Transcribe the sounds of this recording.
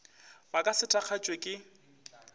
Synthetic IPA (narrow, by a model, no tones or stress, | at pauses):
bakʼasɪtʰʼak͡xʰat͡ʃʼwekʼɪ